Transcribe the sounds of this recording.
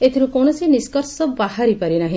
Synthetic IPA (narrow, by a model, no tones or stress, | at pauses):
et̪ʰiɾukɔwñɔsiniskɔɾsɔbahaɾipaɾinaɦĩ